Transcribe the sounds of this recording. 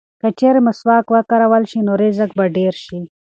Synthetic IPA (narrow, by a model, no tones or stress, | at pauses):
kat͡ʃeɾeməswɑːkwakaɾawalʃinoɾezak̚baɖeɾʃi